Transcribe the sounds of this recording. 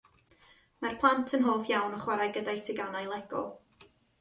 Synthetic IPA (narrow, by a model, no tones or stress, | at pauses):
marpʰlˠantʰənɦoːfjawnɔχwaɾajɡədajtʰiɡanajlˠɛɡ̥ɔ̰lˠ